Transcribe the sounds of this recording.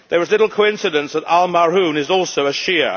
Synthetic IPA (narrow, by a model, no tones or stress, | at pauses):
ðəɹɪzlɪɾl̩ˠkʰoʊɪ̃nsɪdə̃nsðətalˠmaɹũːnɪzɔˑlˠsoʊəʃiə